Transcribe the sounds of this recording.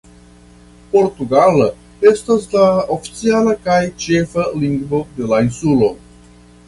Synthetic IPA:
po̞ɾt̪uɡalə | est̪as̬laofi̥t͡sialakajt͡ʃefəliŋɡvod̪e̞lainsulo̞

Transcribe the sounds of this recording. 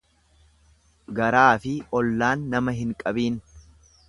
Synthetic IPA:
ɡɐɾaːfɪɔlːaːnːɐmɐɦɪŋkʼɐbiːn

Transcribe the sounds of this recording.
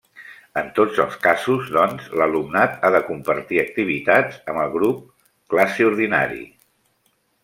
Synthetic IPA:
ənt̪od͡zə̰lˠskazuzðɔnzləlumnat̪aðəkumpəɾt̪iək̚t̪iβ̞it̪ad͡zəməlˠɣɾup̚ | klaseuɾð̞ina̰ɾḭ

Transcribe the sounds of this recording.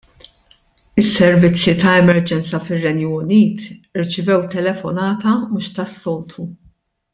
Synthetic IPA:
ɪsːɛɾvɪt͡sːit̪ɐɛmɛɾd͡ʒɛnt͡sɐfɪrːɛnjuʊniːt̪ɪɾt͡ʃɪvɛwt̪ɛlɛfɔnɐːt̪ɐmuʃt̪ɐsːɔːlt̪ʰu

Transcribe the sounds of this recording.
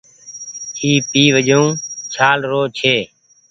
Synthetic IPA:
iːpiːʋəd͡ʒõːt͡ʃʰaːlɾoːt͡ʃʰeː

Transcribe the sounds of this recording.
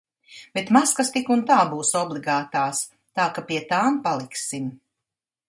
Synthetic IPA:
b̥et̪maskast̪ikunt̪aːbuːsɔblˠiɡaːt̪aːs | t̪aːkapiɛt̪aːmpalˠiksim

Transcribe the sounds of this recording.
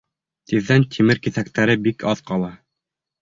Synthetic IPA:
t̪iðːænt̪ʲʰimɘɾkiθæk̚t̪æɾɘbikʰɑðqɑlˠɑ

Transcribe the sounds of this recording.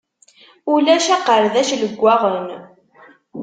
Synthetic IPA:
ulæʃæqəɾðæʃləɡʷːaʁən

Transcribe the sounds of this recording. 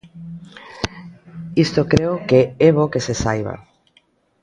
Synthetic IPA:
ist̪okɾeokeeβokesesajβa̰

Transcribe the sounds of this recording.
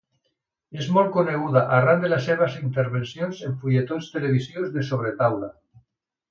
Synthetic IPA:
ezmolkoneɣuðaʔarand̪elasːeβasint̪eɾβ̞ensjonseɱfuʎet̪onst̪eleβ̞isiozðesoβ̞ɾet̪awla

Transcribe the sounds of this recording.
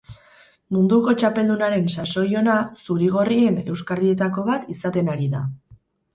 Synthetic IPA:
mund̪uko̞t͡ʃape̞ld̪unaɾe̞nsaso̞jo̞nasuɾiɣ̞o̞rie̞ne̞wskaɾie̞t̪ako̞βat̪isat̪e̞naɾiða̰

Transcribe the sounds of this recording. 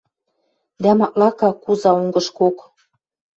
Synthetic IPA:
d̪æmɑʔlɑkɑkuzɑoŋɡɤʃkok

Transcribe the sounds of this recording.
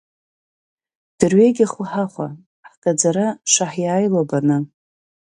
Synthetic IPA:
d̥ɨrɥeɡʲaχuħaχʷa̰ | ħkʼad͡zaɾaʂaħjaːjlobanɨ

